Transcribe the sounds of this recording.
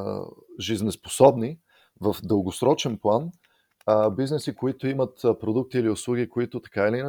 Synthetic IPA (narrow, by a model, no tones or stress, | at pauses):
ʒiznɛspo̥sɔbni | vəfd̪əlˠɡosɾɔt͡ʃɛnplˠan | biznɛsikoit̪ʊimət̪pɾod̪uk̚t̪iːliʊslˠuɡikoit̪ʊt̪ɐ̥kailin